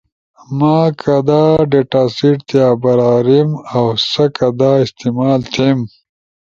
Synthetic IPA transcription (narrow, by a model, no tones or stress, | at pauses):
maːkʰad̪aːɖeʈaːsiʈt̪jaːbɐɾaːɾimawsɐkɐd̪aːist̪imaːlt̪ʰem